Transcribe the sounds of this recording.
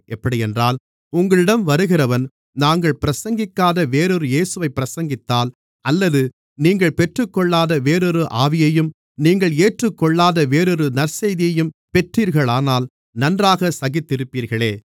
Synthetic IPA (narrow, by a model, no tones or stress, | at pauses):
ʔɛpːɐɽiɛndraːl | ʊŋɡɐɭɪɽɐmʋɐɾɯɣɪrɐʋɐn | naːŋɡɐɭpɪɾɐsɐŋɡɪkːaːðɐʋeːɾɔɾɯjeːsɯʋɐɪpːɪɾɐsɐŋɡɪt̪ːaːl | ɐlːɐðɯ | niːŋɡɐɭpɛʈrɯkːɔɭːaːðɐʋeːɾɔɾɯʔaːʋɪjɐjɯm | niːŋɡɐɭeːʈrɯkːɔɭːaːðɐʋeːɾɔɾɯnɐɾsɐjðɪjɐjɯmpɛʈriːɾɣɐɭaːnaːl | nɐndraːɣɐsɐɣɪt̪ːɪɾɯpːiːɾɣɐɭeː